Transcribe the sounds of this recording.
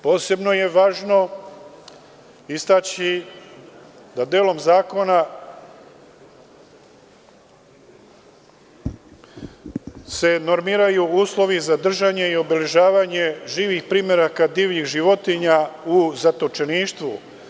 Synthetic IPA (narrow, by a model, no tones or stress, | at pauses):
po̞ːse̞bno̞je̞ʋaːʒno̞ | ist̪at͡ɕi | d̪ad̪eːlo̞mzaːko̞na | se̞no̞ɾmiːɾajuuːslˠo̞ʋizad̪r̩ʒaɲe̞io̞bele̞ʒaːʋaɲe̞ʒiːʋixpɾiːmeɾakad̪iːʋʎixʒiʋo̞t̪iɲauzat̪o̞t͡ʃeniːʃt̪ʋṵ